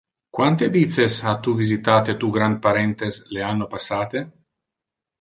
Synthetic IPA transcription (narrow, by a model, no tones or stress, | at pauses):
kwant̪evit̪seshat̪uvizit̪aːt̪et̪uɡɾand̪̚paɾent̪esleanːopasːaːt̪e